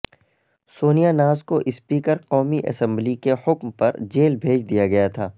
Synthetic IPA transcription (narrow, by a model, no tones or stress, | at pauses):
soːnijanaːzkoʔɪspiːkəɾqɔːmiʔɐ̰sɛ̃mblikehʊkmpɐɾd͡ʒeːlbʱeːd͡ʒd̪ijaɡɐjat̪ʰaː